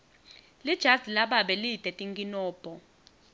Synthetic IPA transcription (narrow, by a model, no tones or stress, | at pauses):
lid̥ʒ̥ʱadʱilaɓaɓɛlitʼɛtʼiŋkʼinɔːb̥ʱɔ